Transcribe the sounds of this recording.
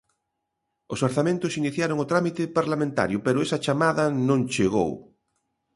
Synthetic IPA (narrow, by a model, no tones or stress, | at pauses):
osoɾθamẽnt̪ʊsiniθjaɾoŋoʊt̪ɾamit̪epaɾlamẽnt̪a̰ɾjʊpeɾʊɛsɐt͡ʃamaðɐnõŋt͡ʃeɣo̰w